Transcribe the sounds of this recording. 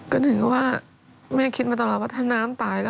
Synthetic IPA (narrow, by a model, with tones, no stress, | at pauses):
kɔː˥˩t̪ʰɯ˨˩˦ŋkwaː˥˩ | mɛː˥˩kʰi˦˥t̪̚maː˧t̪ɔ˧˩lːɔː˨˩waː˥˩t̪ʰaː˥˩naː˦˥mt̪aː˨˩jlɛ˦˥